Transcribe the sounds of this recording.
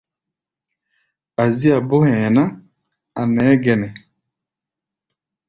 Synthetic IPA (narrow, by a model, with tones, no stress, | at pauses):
a˨zi˦a˨bo˦hɛ˨na˦ | a˨nɛ˨˦ɡɛ˨nɛ˨